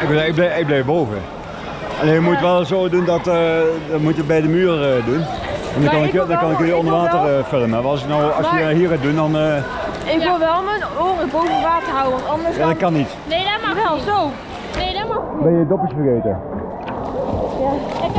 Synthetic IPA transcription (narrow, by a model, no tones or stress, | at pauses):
ɪkbɪɡ̚blɛɪɡ̚blɛjbowvə̰ | ɑleːjəmuttʋɛlˠsowdundɑtdɑnmutət̚bɛjdəmyːrədun | ɛndɑkɑndɑkɑnɪkɪjɔndəɹʋaːtərəføləmaʋɑs̬ɪknɔwɑsjənɦiːɹaːt̚dundɑnː | ɪkɪlˠʋɛlˠmənoːnəbowvənʋaːtərɦʌwəʋɑntɑndəjaːdɑt̚kɑnːit | nɛlˠzo | bɛnjədɔpəsfəɣejtə